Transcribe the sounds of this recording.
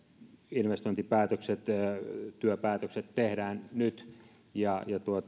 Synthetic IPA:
inʋest̪oint̪ipæːt̪økset̪ːt̪yøpæːt̪økset̪t̪ehdæːnnyt̪ | jɑjɑt̪uot̪

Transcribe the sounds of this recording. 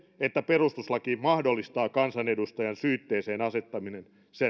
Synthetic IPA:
et̪ːæperust̪uslɑkiːmɑhdolːist̪ɑːkɑnsɑnedust̪ɑjɑnsyːt̪ːeːseːnɑse̞t̪ːɑminen | se

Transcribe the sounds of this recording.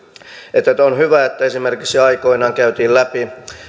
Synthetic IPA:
et̪ːæt̪onhyʋæet̪ːæesimerkiksiɑiko̞inɑːŋkæyt̪iːllæpi

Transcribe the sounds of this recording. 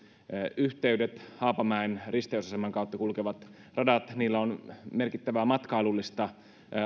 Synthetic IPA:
yht̪eydet̪hɑːpɑmæenrist̪eusɑsemːɑŋkɑˑut̪ːɑkulkeʋɑt̪ | rɑdɑt̪niːlːæonmerkit̪ːæʋæmɑt̪kɑilulːist̪ɑ

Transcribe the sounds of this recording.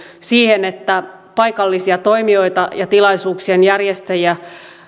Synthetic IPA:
siːhenet̪ːæ | pɑikɑlːisiɑt̪o̞imio̞it̪ɑjɑt̪ilɑisuːksienjærjest̪ejæ

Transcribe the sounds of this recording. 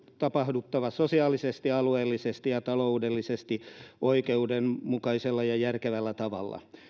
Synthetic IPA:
t̪ɑpɑhdut̪ːɑʋɑsosiɑːlisest̪iɑlueːlːisest̪ijɑt̪ɑloudelːisest̪iʔoikeudenmukɑiselːɑjɑjærkeʋælːæt̪ɑʋɑ̰lːɑ̰

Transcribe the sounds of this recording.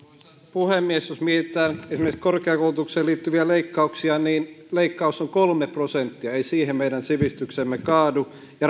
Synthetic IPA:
puhemːiesosmieit̪ːˑæːnesimekskorkeɑkoulut̪ukseːliːt̪ːyʋiæleikːɑuksiɑniːnleikːɑusoŋkolmeprosent̪ːiɑeisiːhemmeidænsiʋist̪yksemːekɑːdu | jɑ

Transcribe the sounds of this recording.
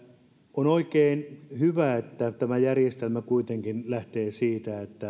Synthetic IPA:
onoikeːnhyʋæet̪ːæt̪æmæjærjest̪elmækuit̪eŋkinlæht̪eːsiːt̪æet̪ːæ

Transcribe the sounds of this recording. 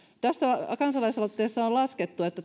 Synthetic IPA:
t̪æsːækɑnsɑlɑisɑt̪ːeːsːɑollɑsket̪ːuet̪ːæ

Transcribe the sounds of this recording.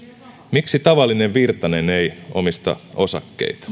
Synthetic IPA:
miksit̪ɑʋɑlːineʋʋirt̪ɑneneijo̞̰mist̪ɑ̰o̞sɑkːḛit̪ɑ̥

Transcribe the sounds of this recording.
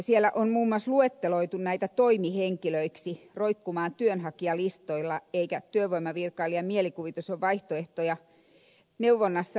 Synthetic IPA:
sielæʔonmuːmːuɑsluet̪ːeloit̪unnæit̪æt̪oimiheŋkiløiksiroikːumɑːnt̪yønhɑkiɑlist̪oilːɑeikæt̪yøʋoimɑʋirkɑːlːiɑmielikuʋit̪usoʋʋɑiht̪oeht̪ojɑ | neuʋːonːɑsːɑ

